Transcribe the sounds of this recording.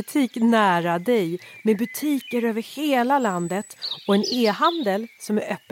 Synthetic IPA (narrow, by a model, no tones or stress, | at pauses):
t̪ʰiːknæːɾad̪ɛjmɛbɵt̪ʰiːkəɾøːvəɾheːlaland̪ət̪ɔɛneːɦand̪əlsɔmæɾœpː